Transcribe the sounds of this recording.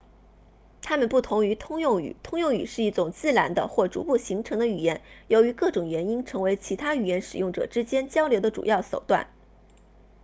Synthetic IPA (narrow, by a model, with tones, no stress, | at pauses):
t̪ʰa˥mə˨npu˥˩t̪ʰʊ˧˥ŋy˧˥t̪ʰʊ˥ŋjʊ˥˩ŋy̰˨˩˦t̪ʰʊ˥ŋjʊ˥˩ŋy̰˨˩ʂɻ̩˥˧i˥˩ʈ͡ʂʊ˨˩ŋt͡sɹ̩˥˩la˧˥nd̪ə̰˧xwɔ˥˩ʈ͡ʂṵ˧˥pu˥˩ɕi˧˥ŋʈ͡ʂʰɤ˧˥ŋd̪ə˧y˨˩jɛ˥˩njo˧˥ʊy˧˥kɤ˥˩ʈ͡ʂʊ˨˩ŋɥɛ˧˥ni˥nʈ͡ʂʰɤ˧˥ŋwe˧˥ɪt͡ɕʰi˧˥t̪ʰa˥y˨˩jɛ˥˩nʂɻ̩˨˩jʊ˥˩ŋʈ͡ʂɤ̰˨˩ʈ͡ʂɻ̩˥t͡ɕjɛ˥nt͡ɕjɑ˥ʊljo˧ʊd̪ə˧ʈ͡ʂṵ˨˩jɑ˥˩ʊʂo˨˩ʊt̪wa̰˥˩n